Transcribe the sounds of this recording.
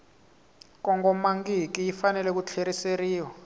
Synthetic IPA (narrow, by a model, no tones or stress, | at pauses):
k̬ʼɔŋɡɔmaŋɡik̬ʼijifanɛlɛk̬ut͡ɬʰeɾiseriːwɔ